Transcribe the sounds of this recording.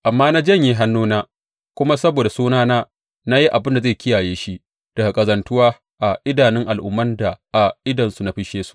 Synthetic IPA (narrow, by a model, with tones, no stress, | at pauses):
ʔa˨mːaː˦na˦d͡ʒɐ˦˨ɲji˦ɦa˦nːuː˦naː˦ | kʷʊ˦ma˦sɐ˦boː˨da˨suː˦naː˦naː˦ | na˦ji˦ʔa˨bɪ˦nda˨zeː˦˨kʲʰɪ˦jaː˨jeː˦ʃi˦ | d̥ɐ˨ɡa˨kʼɐ˨zɐ˨ntʊ˦waː˦ | ʔa˨ʔɪ˦daː˨nɪ˦ŋʔa˨lʔʊ̰˨mːɐ˦nda˨ʔa˨ʔɪ˦dɐ˨nsu˨na˦ɸɪ˦ʃeː˦su̥˦ʔ